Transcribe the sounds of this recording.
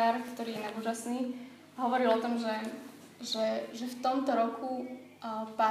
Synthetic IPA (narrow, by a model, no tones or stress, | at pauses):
aɾkt̪ɔɾiːjɛnauːʒasniː | ɦɔʋɔɾilɔt̪ɔmʒɛ | ʒɛʒɛft̪ɔmt̪ɔɾɔkʰu | pa